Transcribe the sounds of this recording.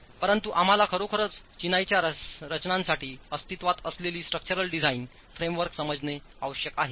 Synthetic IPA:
pəɾənt̪uʔam̤alakʰəɾokʰəɾət͡s | t͡ɕinajt͡ɕjaɾət͡ɕnãnsaʈʰiːəst̪it̪ʋat̪əsleliːsʈɾək̚t͡ɕəɾəlɖid͡zʱaiːn | fɾemʋəɾksəməd͡zne | aʋəɕjəkaɦe

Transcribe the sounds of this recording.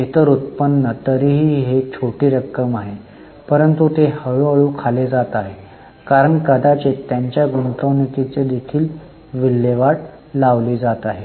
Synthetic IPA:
et̪əɾut̪̚pənːət̪əɾiːɦiːɦet͡ɕʰoʈiːɾəkːəmaɦe | pəɾənt̪ut̪ehəɭuəɭukʰaled͡zat̪aɦe | kaɾəɳkəd̪at͡ɕet̪jaɲt͡ɕjaɡuɳʈ̪əwnik̪it͡sed̪ekʰiːl | ʋilːeʋaɽ | laʋliːd͡zat̪aɦe

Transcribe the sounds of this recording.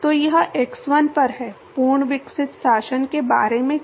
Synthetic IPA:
t̪ojɐɦʔeksʋɐnpɐɾɦɛː | puːɾɳʋɪksɪt̪saːʃənkeba̰ːɾemẽ

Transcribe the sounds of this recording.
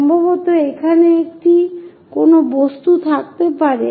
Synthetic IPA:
mbʱoβot̪oekʰaneekʈi | konobost̪ut̪ʰakt̪epaɾe

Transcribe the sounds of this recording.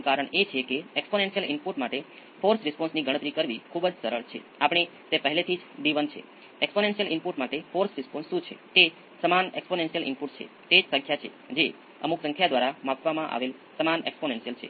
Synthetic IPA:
kaɾəɳet͡ʃʰekeɛksponensijəlɪ̰mpuʈmaʈe | foɾsɾɪspɔ̃nsniɡʱəɽət̪ɾikəɾʋikʰubd͡ʒsəɾəɭt͡ʃʰḛapɳ̃i | t̪epəɦlet̪ʰid͡ʒd̪iʋənt͡ʃʰḛ | eksponensijəlɪmpuʈmaʈefoɾsɾɪsponsʃũt͡ʃʰḛt̪e | səmanḛksponensijəlɪ̰mpuʈt͡ʃʰḛ | t̪ed͡ʒsə̃ŋkʰjat͡ʃʰḛ | d͡ʒe | ə̰muksə̃ŋkʰjad̪ʋaɾamãkʰʋamãʔa̰ʋel | səmanḛksponensijəlt͡ʃʰḛ

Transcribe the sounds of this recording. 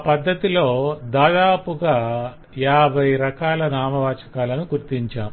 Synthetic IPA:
pɐd̪ʱːɐt̪ilo̞ːd̪aːd̪aːpuɡaː | jaːbʱɐjɾɐkaːlɐnaːmɐʋaːt͡ʃɐ̥kaːlɐnuɡuɾt̪iɲt͡ʃaːm

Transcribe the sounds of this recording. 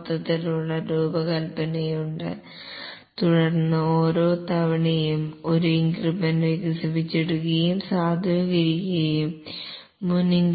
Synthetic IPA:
t̪ːɐt̪ːiluɭːɐɾuːbɐkɐlpɐnɐjuɳɖɨ̰ | t̪uɽɐrnːɐoːɾo̞ːt̪ɐʋɐɳɐjumo̞ɾuiŋɡribɐnʋiɡɐsipit͡ɕːeɽukːɐjumsaːd̪ʱɐːɣɐɾikʲːɐjumː | uniŋ

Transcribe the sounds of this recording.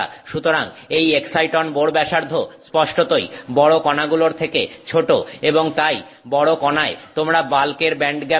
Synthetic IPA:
ʃut̪oɾaŋejeksajʈonboɽbɛʃaɾd̪ʱospɔʃʈot̪ojbɔɽokɔnaɡuloɾt̪ʰekḛt͡ɕʰoʈoeboŋt̪aj | bɔɽokɔnaet̪omɾabalkeɾbɛɳɖɡɛ

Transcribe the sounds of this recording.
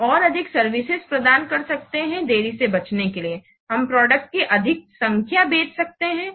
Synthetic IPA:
ɔːɾɐd̪ʱɪksɐɾʋɪsɪzpɾɐd̪aːnkɐɾsɐk̚t̪eɦɛ̃d̪eːɾisebɐt͡ʃnekelie | ɦɐmpɾɔːɖək̚ʈ̚kiʔɐd̪ʱɪk̚sɐ̃ŋkʰjabeːt͡ʃʰsɐk̚t̪eɦɛ̃ː

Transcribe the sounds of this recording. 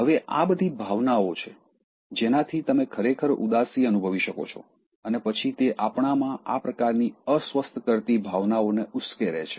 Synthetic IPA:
ɦəʋeʔa̰bəd̪ʱibʱaʋnaot͡ʃʰe | d͡ʒenat̪ʰit̪əmekʰəɾekʰəɾṵd̪asiənubʱəʋiʃəko̰t͡ʃʰo̰ | ənepət͡ʃʰit̪eʔapɳ̃amãʔapɾəkaɾniəsʋəst̪ʰkəɾt̪ibʱaʋnaoneʊskeɾḛt͡ʃʰe̥

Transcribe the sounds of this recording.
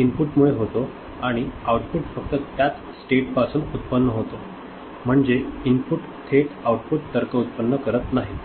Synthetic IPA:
impuʈmuɭeɦot̪o | aɽ̃iawʈpuʈfək̚t̪ət̪jat̪ | sʈeʈpasuːnut̪pənːəɦot̪o | m̤əɳd͡zeimpuʈ | t̪ʰeʈawʈ̚puʈ̚t̪əɾkʰəut̪̚pənːəkəɾət̪naɦi

